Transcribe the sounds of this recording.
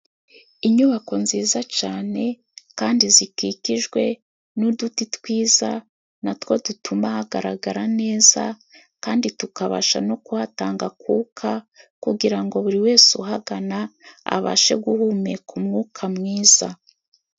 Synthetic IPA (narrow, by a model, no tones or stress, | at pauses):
iɲuβako̞nziːzat͡ʃaːne̞ | kaːndizikikiʒɡwe̞ | nudutitwiːza | natwo̞dutumahaɡaɾaɡaɾane̞ːza̰ | kaːnditukaβa̰ʃa̰no̞kuhataːŋɡakuːkʰakuɡiɾaŋɡo̞βuɾiwe̞ːsuɦaɡanaa̰βa̰ʃe̞̰ɡuhume̞kʰumŋuːkʰamŋiːz̥a